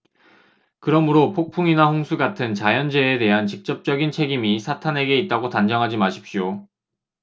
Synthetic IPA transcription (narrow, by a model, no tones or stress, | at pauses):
kɯɾʌmɯɾopʰok̚pʰuŋinaɸoŋsʰuɡatʰɯnt͡ɕajʌnd͡ʑeːte̞ɦant͡ɕik̚t͡ɕ͈ʌp̚t͡ɕ͈ʌɡint͡ɕʰe̞ɡimisʰatʰane̞ɡe̞it̚t͈aɡotand͡ʑʌŋɦad͡ʑimaɕʰip̚ɕ͈jo